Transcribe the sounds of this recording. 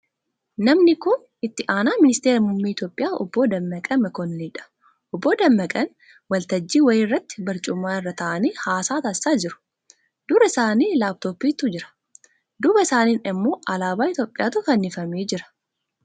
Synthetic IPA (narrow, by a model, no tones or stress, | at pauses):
nɐmnɪkʊn | ɪt̪ːɪʔaːnaːmɪnɪst̪eːɾɐmʊmːiːɪt̪joːpʼɪjaːʔɔ̰bːoːd̪ɐmːɐkʼɐmɐkɔnliːᶑɐ̥ | ʔɔbːoːd̪ɐmːɐkʼɐn | wɐlt̪ɐd͡ʒːiːwɐjɪːrːɐt̪ːɪ̥bɐɾt͡ʃʼʊmːaːɪrːɐt̪ɐʔɐniːhaːsaːt̪ɐsaːd͡ʒɪɾʊ̥ | d̪̥ʊɾɐɪsaːniːlaːb̚t̪oːpiːt̪ʊd͡ʒɪɾɐ̥ | d̪ʊbɐɪsaːniːnɪmːo̞ːʔɐlaːbaːɪt̪joːpʼːɪjaːt̪ʊkɐnːɪfɐmeːd͡ʒɪɾɐ̥